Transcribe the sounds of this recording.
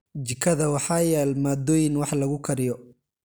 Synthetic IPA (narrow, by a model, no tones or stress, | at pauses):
d͡ʒɪkʰːɐðɐwɑħɑːjaːlmaːd̪ɔːjɪnwɑħlɐɣʊkʰɐɾɪjɔ